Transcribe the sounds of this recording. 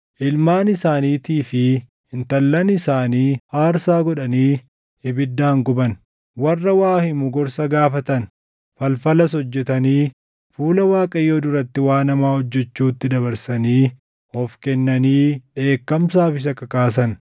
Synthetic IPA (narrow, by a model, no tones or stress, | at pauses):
ʔɪlmaːnɪsaːniːt̪iːfɪ | ɪnt̪ɐlːɐnɪsaːniːhaːɾsaːɡɔᶑɐniː | ɪbɪd̪ːaːŋɡʊbɐn | wɐrːɐwaːhɪmʊɡɔɾsɐɡaːfɐt̪ɐn | fɐlfɐlɐs̬ɔd͡ʒːɛt̪ɐniː | fuːlɐwaːkʼɐjːoːd̪ʊɾɐt̪ːɪwaːnɐmaːhɔd͡ʒːɛt͡ʃːuːt̪ːɪd̪ɐβɐɾsɐniː | ɔfkɛnːɐniːᶑe̞ːkːɐmsaːfɪs̬ɐkɐkaːs̬ɐn